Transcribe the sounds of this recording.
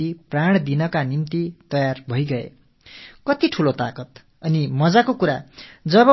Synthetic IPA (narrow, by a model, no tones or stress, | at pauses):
ipraɽ̃d̪inʌkanimt̪it̪ʌjarbʱʌjɡʌḛ | kʌt̪iʈʰulot̪akʌt̪ | ʌnimʌd͡zakokuɾa̰d͡zʌbʌ